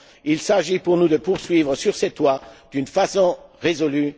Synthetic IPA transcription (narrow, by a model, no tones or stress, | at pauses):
ilsaʒipuʁnud̪əpuʁsɥivʁəsyʁsɛt̪wad̪̥ynfasɔ̃ʁezɔly